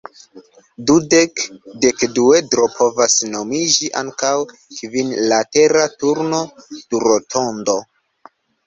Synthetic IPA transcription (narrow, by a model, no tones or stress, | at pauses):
dudekdekduedɾo̞pʰo̞vasno̞mid͡ʒiʔa̰ŋkaw | kvinlate̞ɾatuɾno̞tuɾotʰo̞ndo̞